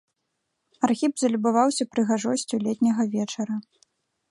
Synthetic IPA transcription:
arxʲibzɐlʲubavawsʲɐpɾɨɣaʐɔsʲt͡sʲulʲɛt̪ʲnʲɐɣɐvʲɛt͡ʂɐɾɐ

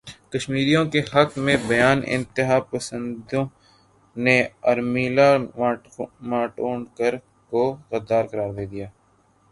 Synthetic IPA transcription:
kɐʃmiːɾijõkehɐkmẽbɐjaːnɪ̰̃nt̪ɪɦaːpɐsə̃nd̪õ | neɐɾmiːlamaː | maːʈoːɳkəɾ | koɣəd̪aːɾkɐɾaːɾd̪eːd̪ijaː

